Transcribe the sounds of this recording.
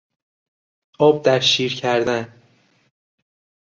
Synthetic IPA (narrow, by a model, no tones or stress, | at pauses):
ʔɒːb̚d̪æɾʃiːɾcʰæɾd̪æn